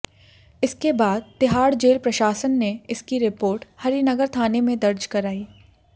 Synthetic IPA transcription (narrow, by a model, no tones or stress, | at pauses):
ɪskebaːd̪̚t̪ɪɦaːɽd͡ʒeːlpɾɐʃaːsənːeɪskiɾɪpoːɾʈhɐɾinɐɡəɾt̪ʰaːnemẽd̪ɐɾd͡ʒkɐɾaːiː